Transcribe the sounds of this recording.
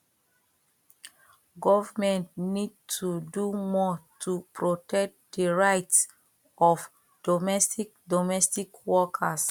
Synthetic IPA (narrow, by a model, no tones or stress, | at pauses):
ɡɔvamɛ̃ntnid̚tʰudumɔtʰupɹotɛk̚d̥əɹaɪts | ɔf | d̥ɔmɛstik̚dɔmɛstikwɔkʰas